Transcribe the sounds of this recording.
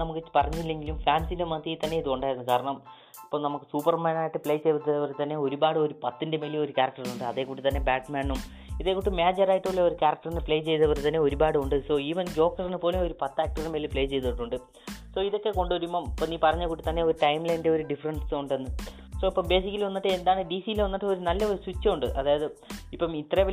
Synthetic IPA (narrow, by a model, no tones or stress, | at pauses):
nɐmukːɨpɐrɐɲːuilːe̞ŋɡilumfaːnsinde̞mɐt̪ːiiːt̪ːɐnːe̞iðuoɳɖaːjɾɐnːɨkaːɾɐɳɐm | ipːoːnɐmukːɨsuːpɐrmaːnaːjiʈːɨpɭe̞ːjt͡ɕe̞jt̪it̪ːɐðɐʋɐrt̪ɐnːe̞o̞ɾubaːɽɨoɾupɐt̪ːindemeːlio̞ɾukaːɾɐk̚ʈɐrnuɳɖɨɐðe̞ːkuːʈːit̪ɐnːe̞baːʈmaːnum | iðe̞ːkːuːʈːɨmeːd͡ʑɐraːjiʈːuɭːeoɾukʲaːɾɐkʈɐrinepɭejt͡ɕe̞jt̪ɐʋɐrt̪ɐnːeo̞ɾubaːɽɨuɳɖɨso̞ːiːʋɐnɡo̞ːkːɐrenːɨpoːleoɾupɐt̪ːaːk̚ʈɐrnemelipɭe̞ːjt͡ɕe̞jt̪iʈːuɳɖɨ | so̞ːiðo̞kːe̞ko̞ɳɖuʋɐɾumːɐmipːoniːpɐrɐɲːɐkuːʈːɨt̪ɐnːe̞o̞ɾuʈɐjmlɐjnde̞o̞ɾuɖifɐrɐɳsuɳɖenːɨ | soipːɐmbe̞ːsikʲːɐlʋɐnːiʈːɨend̪aːɳɨɖiːsiilʋɐnːiʈːɨo̞ɾunɐlːɐoɾuswit͡ɕːɐuɳɖɨʔɐðaːjɐðɨipːɐmit̪ːrɐeʋɐ